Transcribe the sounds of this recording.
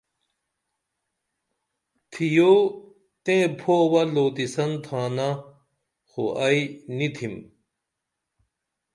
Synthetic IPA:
t̪ʰijo | t̪ẽpʰowɐloːt̪isɐnt̪ʰaːna | xo̰ʔɐinit̪ʰim

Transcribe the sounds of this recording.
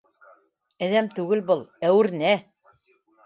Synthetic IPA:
æðæmt̪ʉɡɘlbɤlˠæwɘ̆ɾnæ

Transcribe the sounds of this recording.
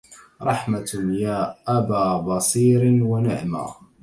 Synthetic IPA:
ɾˤɑħmajaːʔabaːbɑsˤiːɾɪnwanɪʕma̰ː

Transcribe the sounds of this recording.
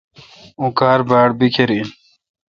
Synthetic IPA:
ũkaːɾbaːɽbikʰeɾin

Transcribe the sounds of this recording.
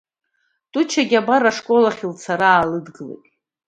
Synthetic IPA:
tʼut͡ʃʰaɡʲabaɾaʂkʼo̞laχʲilt͡sʰaɾaːlɨdɡɨlḛjtʼ

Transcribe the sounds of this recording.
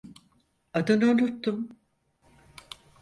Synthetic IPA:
ad̪ɯnonut̪ːum

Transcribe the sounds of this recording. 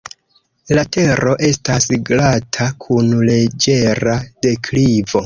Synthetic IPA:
late̞ɾo̞ʔe̞stasɡlatʰakʰunle̞d͡ʒe̞ɾade̞kʰlivo̞

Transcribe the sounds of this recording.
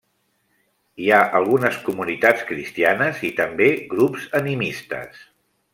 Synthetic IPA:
iaʔəlˠɣunəskumunit̪at͡skɾist̪ianəzit̪əmbeɣɾupzənimist̪ə̰s

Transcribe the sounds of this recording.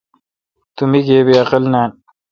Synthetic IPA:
t̪umiɡeːbeɐqɐlnaːn

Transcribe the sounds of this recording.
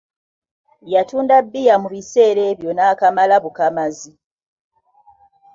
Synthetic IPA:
jatuːndabːijamuβise̞ːɾe̞βjo̞naːkamalaβukamazi

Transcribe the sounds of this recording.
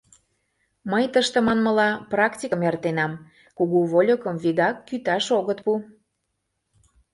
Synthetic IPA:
məjt̪əʃt̪ə̆mɑnmə̆lɑprɑktʲiəmert̪enɑm | kuɣuβolʲokəmviɣɑkːyt̪ɑʃoɣət̪pu

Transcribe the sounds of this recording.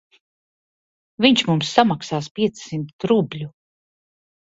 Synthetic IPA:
viɲt͡ʃmumsːamaksaːspʲiɛt̪ssimt̪t̪ɾublʲu

